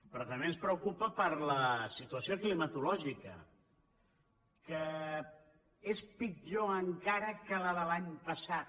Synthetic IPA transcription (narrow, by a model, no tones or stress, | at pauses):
pɾɔt̪əmbenspɾəwkupəpəɾləsit̪uəsioklimət̪ulɔʒikə̰ | kə | espid͡ʒoəŋkaɾəkələðəlaɲpəsat̪